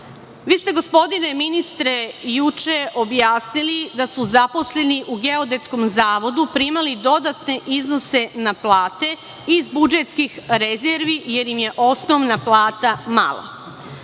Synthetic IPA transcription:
ʋiːst̪e̞ɡo̞spo̞d̪ine̞minist̪ɾe̞jut͡ʃeʔo̞bjaːsnilid̪asuzapo̞sle̞niʔuɡe̞o̞d̪e̞t̪sko̞mzaːʋo̞d̪upɾimalid̪o̞d̪at̪ne̞ʔizno̞se̞naplˠaːt̪e̞ | izbud͡ʒe̞t̪skixɾezeɾʋije̞ɾjimje̞ʔo̞sno̞ʋnaplˠaːt̪ama̰lˠa̰

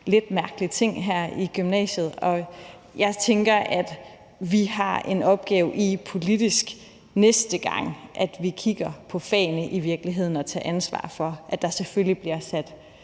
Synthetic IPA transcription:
le̝d̥mæɐɡ̥əlit͡sʰe̝ŋ̰ɦæɐ̰iɡ̥ymnɛ̰ːɕəð̞̩ˠɒ̽ | jɑ̈ɪt͡sʰeŋɡ̥ɐʔæd̥ | ʋihɑ̈e̝nɒ̽b̥̚ɡ̥ɛːʊʔipʰo̝lid̥isɡ̥ | nesd̥əɡ̥ɑ̈ŋ̰ʔæd̥ʋikʰiɡ̥ɐpʰɒ̽fɛ̰ːnəʔiʋiɐɡ̥liɦe̝ð̞̰ˠn̩ɒ̽t͡sʰɛ̰ːʔænsʋɑ̰̈ːfɒ̽ʔæd̥ɑ̈seføljib̥liɐsæd̥

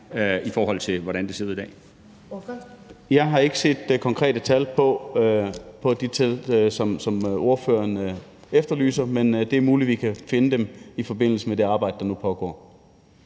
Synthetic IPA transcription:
ifɒːɦɒ̽l̰t͡sʰe̝ʋɒɾænd̥e̝seð̰ˠid̥ɛ̰ː | jɑ̈ɪɦɑ̈e̝ɡ̥əse̝̰ːd̥kʰɒ̽ŋkʰʁɛ̰ːd̥ət͡sʰælpʰɒ̽ | pʰɒ̽d̥it͡sʰelsɒ̽msɒ̽mʔo̝ɐfø̰ːɐn | efd̥ɐly̰ːsɐmend̥e̝æɐmuːlid̥ʋikʰæfe̝nəd̥emifɒ̽b̥e̝n̰l̩səmed̥e̝ɑ̈ːb̥ɑ̈ɪ̰d̥əd̥ɑnupʰɒ̽ɡ̥ɒ̰ː

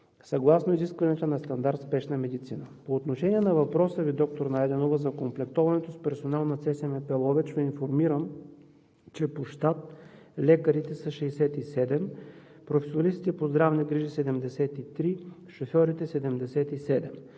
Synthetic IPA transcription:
sɐɡlˠasnoiziskvɐnɛt̪onɐst̪ɐnd̪aɾt̪spɛʃnɐmɛd̪it̪sinəpoːt̪noʃɛnʲiɛnɐvɐpɾɔsəvid̪ɔk̚t̪oɾnajd̪ɛnovəzɐkomplɛkt̪ɔvɐnɛt̪ospɛɾsonalˠnɐt̪sɛsɛmɛpɛlˠɔvɛt͡ʃvoinfoɾmiɾəm | t͡ʃɛpoʃt̪at̪ | lɛkəɾit̪ɛsɐʃɛjsɛt̪isɛd̪ɛm | pɾofɛsionɐlist̪it̪ɛpozd̪ɾavnɛɡɾiʒisɛd̪ɛmd̪ɛsɛt̪it̪ɾiʃofʲɔɾit̪ɛsɛd̪ɛmd̪ɛsɛt̪isɛd̪ɛm

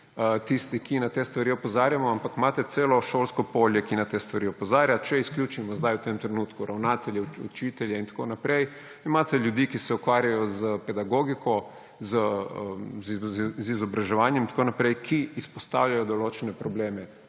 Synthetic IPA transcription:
t̪ist̪ikinat̪eːst̪ʋaɾiɔpozaːɾjamɔampakmaːt̪ɛt̪seːlɔʃoːlskɔpoljɛkinat̪est̪ʋaɾiɔpɔzaːɾjat͡ʃɛisklʲjuːt͡ʃimɔzd̪ajwt̪emt̪ɾɛnuːt̪kuɾʔawnaːt̪ɛljɛṵt͡ʃiːt̪ɛljɛint̪ḁkonapɾej | imaːt̪ɛljud̪ikisɛukʋaːɾjajɔzəpɛd̪aɡoɡikʰɔ | zəəzzizɔbɾaʒɛʋaːnjɛmint̪ḁkonapɾɛjkʰiːspɔst̪awʎʲajɔd̪oloːt͡ʃɛnɛpɾɔbleːmɛ

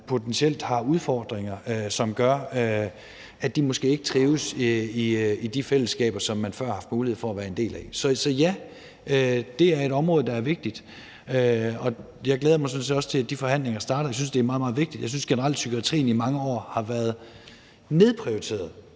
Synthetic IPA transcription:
pʰo̝t͡sʰensiel̰d̥hɑ̈uð̞ˠfɒːd̥ʁeŋɐøsɒ̽mɡ̥ɶɐ | æd̥imosɡ̥e̝̰ːe̝ɡ̥ə̥t͡sʰʁiːʊsiid̥ifel̰əsɡ̥ɛ̰ːb̥ɐsɒ̽mːænfɶɐ̰hɑ̈fd̥muːlihḛfɒæʋæːɐe̝nde̝̰ːlæsɒ̽sɒ̽jæ | ød̥e̝æɐe̝ɾɒ̽mʁɔ̽ːð̞̩ˠd̥ɑ̈æɐʋe̝ɡ̥̚d̥id̥ | øɒ̽ | jɑ̈ɪɡ̥leːðˠɐmɑ̈sɒ̽nsḛːdɒ̽sə̥t͡sʰe̝læd̥ifɒ̽ɦæn̰le̝ŋɐsd̥ɑ̈ːɾ̥ɐjɪsynsd̥e̝æɐmɑːðˠmɑ̈ːðˠʋe̝ɡ̥d̥id̥jɑɪsynsɡ̥enəʁɑl̰d̥sykʰuɑt͡sʰʁḭːn̩imɑ̈ŋəɒ̰ːhɑ̈ʋæɐð̞ˠ | ne̝ð̞ˠpʰʁioit͡sʰe̝̰ːɐð̩ˠ

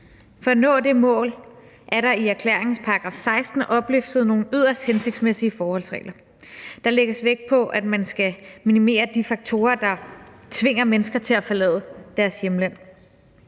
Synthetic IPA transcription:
fɒ̽ænɔ̰̽ːd̥e̝mɔ̰̽ːl | ʔæɐɾɑ̈iæɐkʰlḛɐ̰eŋn̩spʰɑ̈ʁɑɡ̥ʁɑ̰̈ːfsɑ̈ɪsd̥n̩ʔɒ̽b̥lyfd̥ð̩ˠno̝ːn̩yð̞̰ˠɐsd̥hense̝ɡ̥d̥smesiəfɒːhɒ̽l̰sʁɛ̰ːlɐ | d̥ɑ̈leɡ̥əsʋeɡ̥̚pʰɒ̽ʔæd̥mænsɡ̥æminime̝̰ːɐd̥ifɑ̈ɡ̥̚t͡sʰo̝ːɐd̥ɑ̈t͡sʰʋe̝ŋ̰ɐmenəsɡ̥ɐt͡sʰe̝læfɒlɛ̰ːðˠəd̥æɐsjemlæn̰

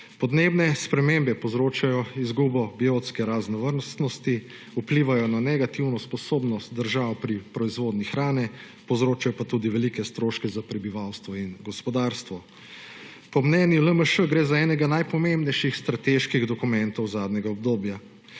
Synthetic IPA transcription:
pɔd̪neːbnɛspɾɛmembɛpɔwzɾoːt͡ʃajɔizɡuːbɔbiot̪skɛɾaznɔʋəɾnst̪nɔst̪i | upliːʋajɔnanɛɡat̪iwnɔspɔsoːbnɔst̪̚d̪əɾʒawpɾipɾɔizʋoːd̪nixɾaːnɛ | pɔwzɾoːt͡ʃajɔpat̪uːd̪iʋɛlikɛst̪ɾoːʃkɛzapɾɛbiʋawst̪ʋɔinɡɔspɔd̪aɾst̪ʋɔ | pɔmnɛːnjiləməʃəɡɾeːzaɛːnɛɡanajpɔmembnɛjʃixst̪ɾat̪eʃkiɣd̪ɔkumɛnt̪ɔwzaːd̪ɲʲɛɡaɔbd̪oːbja

